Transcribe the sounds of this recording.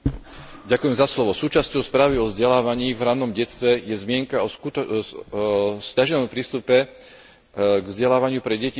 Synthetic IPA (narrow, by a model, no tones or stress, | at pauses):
ɟakujɛmzaslɔʋɔsuːt͡ʃascɔʊspɾaːʋiɔvzɟɛlaːʋaɲiːvɾanːɔmɟɛt͡sst̪ʋɛjɛzmɪɛŋkaɔu | scaʒɛnɔmpɾiːst̪upɛ | ɡvzɟɛlaːʋaɲɪupɾɛɟɛci